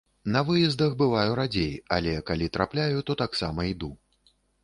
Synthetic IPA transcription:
nɐvɨjɛzd̪ɐxbɨvajuɾad͡zʲeja̰lʲɛkalʲit̪ɾʔaplʲajut̪ɔt̪aksamɐid̪u

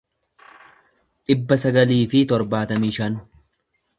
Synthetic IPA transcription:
ᶑɪbːɐsɐɡɐliːfɪt̪ɔɾbaːt̪ɐmɪːʃɐn

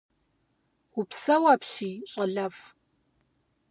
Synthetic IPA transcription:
ʊpsɐwaːpɕiːɕʼɐɮɐf

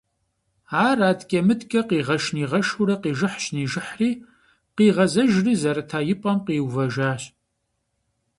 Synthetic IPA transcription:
aːraːdkʼɐmɨdkʼɐqiːʁɐʃniːʁɐʃuɾɐqiːʒɨħɕniːʒɪħriː | qiːʁɐzɐʒriːzɐɾɐtʰaːjɪpʼɐmqiːwvɐʒaːɕ

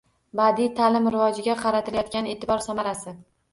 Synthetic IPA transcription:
bad̪it̪ʰalɪmɾɪvɒd͡ʒɪɡʲaqʰɑɾat̪ʰɪlajɒt̪̚kʲane̞ːt̪ʰɪbɒɾsamaɾasɪ

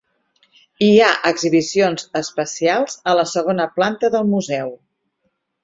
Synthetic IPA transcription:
iaʔəɡziβisionzəspəsialˠz̥ələsəɣ̞onəplant̪əðəlˠmuzɛw

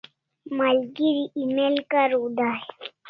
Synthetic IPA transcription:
malɡiɾiʔimelkaɾud̪aj

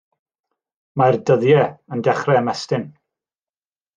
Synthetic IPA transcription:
mardəðjɛəndɛχrɛəmɛstɪn

